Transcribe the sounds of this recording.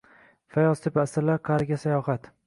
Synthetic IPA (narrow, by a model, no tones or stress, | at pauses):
fajɒst̪ʰɪpasɪɾlaqʰaɾɡʲasajɒχat̪